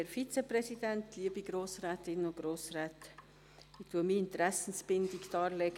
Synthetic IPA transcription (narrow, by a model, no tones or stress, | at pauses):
ɛɾfit͡sepɾɛsidɛntliəbiɡɾoːsɾæːtɪnʊɡ̥ɾoːsɾɛːt | ɪtʰuəmiɪntɾæsn̩sb̥ɪndɪɡd̥ɑːɾlɛɡ